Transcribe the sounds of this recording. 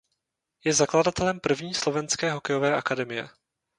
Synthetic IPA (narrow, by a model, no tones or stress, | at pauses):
jɛzakladat̪ɛlɛmpr̩vɲiːslo̞vɛnskɛːɦo̞kɛjo̞vɛːʔakadɛmɪjɛ̰